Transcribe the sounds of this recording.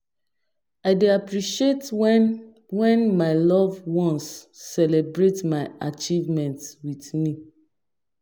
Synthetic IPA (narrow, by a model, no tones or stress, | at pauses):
aɪdeapɹiʃiet | wɛ̃nmaɪlɔvwɔ̃nsːɛlebɹetmaɪat͡ʃivmɛ̃ntwitmi